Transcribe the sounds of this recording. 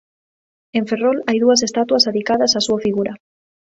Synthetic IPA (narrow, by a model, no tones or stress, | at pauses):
eɱferolajðuas̬est̪at̪wasaðikaðasasuafiɣuɾa